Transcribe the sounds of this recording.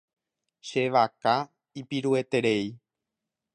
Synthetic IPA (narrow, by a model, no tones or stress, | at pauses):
ʃe̞ʋaka | ipiɾue̞t̪e̞ɾe̞j